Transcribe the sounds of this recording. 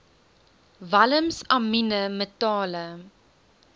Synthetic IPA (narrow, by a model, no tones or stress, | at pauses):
vɐləmsɐminəmətɑːlə